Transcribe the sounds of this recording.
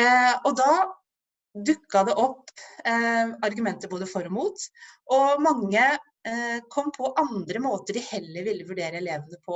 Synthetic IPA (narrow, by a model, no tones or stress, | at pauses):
ɔd̪ɑ | d̪ʉkːɑd̪ɛʔɔpː | ɑɾɡʉmɛnt̪əɾboːd̪əfɔɾɔmuːt̪ʔɔmɑŋːə | kʰɔmːpʰɔʔɑnd̪ɾəmoːt̪əɖɪhɛlːəɾʋɪlːəʋʉɖeːɾəɛleːʋənəpʰɔ